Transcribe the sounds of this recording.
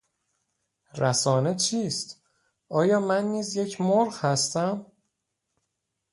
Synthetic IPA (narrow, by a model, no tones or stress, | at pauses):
ɾæsɒːne̞t͡ʃʰiːst̪ | ʔɒːjɒːmænːiːzje̞cʰmoɾɢhæst̪æm